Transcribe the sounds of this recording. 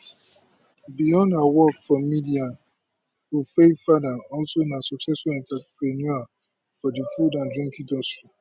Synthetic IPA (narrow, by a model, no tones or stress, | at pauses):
bijɔ̃ndawɔkfɔ̃midiãn | wufefadãɔlsoĩnasɔksɛsfɔɛ̃ntapɹɛnua | fɔdifudãndɹĩŋkidɔstɹi